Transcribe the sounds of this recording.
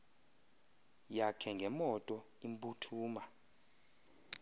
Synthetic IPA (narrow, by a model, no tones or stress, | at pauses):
jakʰɛŋɡʱɛmɔtʼɔ | imbʼutʰuːma